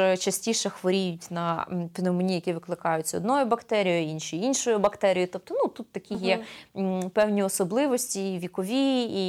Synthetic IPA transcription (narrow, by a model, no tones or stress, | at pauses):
t͡ʃɐsʲtʲiʃɛxʋɔɾʲijʊtʲnɐpɪnɪmɔnʲijɐkʲiʋɪklˠɪkɑjʊtʲt͡sʲːɔ̰d̪nɔjʊbɐkt̪ɛɾʲijɐinʃiinʃɔjʊbɐkt̪ɛɾʲijʊt̪ɔp̚t̪ɔnut̪ut̪ːɐkʲixjɛ | pɛwnʲiɔsɔblˠɪʋɔsʲtʲiʋʲikɔʋʲiː